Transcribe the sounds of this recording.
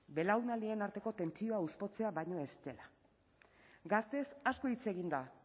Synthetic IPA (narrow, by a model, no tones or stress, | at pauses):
be̞lawnald̪ie̞naɾt̪e̞ko̞t̪e̞nt͡sio̞auspo̞t͡se̞aβajɲo̞e̞st̪e̞la | ɡast̪e̞sasko̞it͡se̞ɣind̪a